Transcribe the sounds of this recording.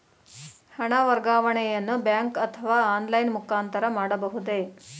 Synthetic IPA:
hɐɳɐʋɐɾɡaːʋɐɳɛjɐnːubjaːŋkɐt̪ʰːɐʋaːaːnlɐjnmukaːnt̪ɐɾɐmaːɽɐbɐɦud̪e̞

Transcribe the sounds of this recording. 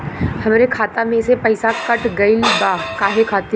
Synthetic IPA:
hɐmːɾekʰaːt̪amẽsepɐɪsakɐʈɡɐilibaːkaːɦekʰaːt̪i

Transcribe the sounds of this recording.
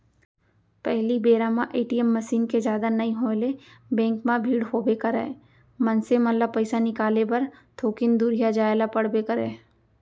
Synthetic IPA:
pɛɦlibeːɾaːmãʔeːʈijɛmːɐsiːnked͡ʒjaːd̪anɐĩɦoːlebɛ̃ːŋkmãbʱiːɽɦoːbeːkəɾɛ̰ː | mɐnsemɐlapəɪsanɪkaːlepɐɾt̪ʰoːkɪnd̪uɾijad͡ʒaːelapɐɽbeːkəɾɛː

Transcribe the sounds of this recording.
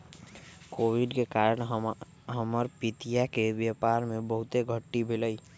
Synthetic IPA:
koːwiɖkekaːɾəɽ̃ɦ | ɦəməɾpit̪ijakeʋjəpaːɾmẽbəɦʊt̪eɡʱəʈːibʱɪləi

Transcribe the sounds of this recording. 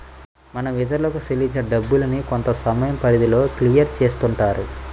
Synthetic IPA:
mɐnɐʋid͡ʒɐɾlɐkuselːiɲt͡ʃnɐɖɐbːulɐniko̞nt̪ɐsɐmɐjɐmpɐɾid̪ilo̞ːklijɐɾt͡ʃe̞ːst̪uɳʈaːɾu

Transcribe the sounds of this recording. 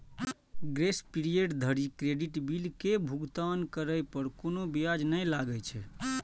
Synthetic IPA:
ɡɾespiɾijeʈd̪ʱəɾikɾeɖiʈbilkebʱuɡt̪ankəɾəjpəɾkonobijad͡ʒnəjlaɡəjt͡ʃʰɛ

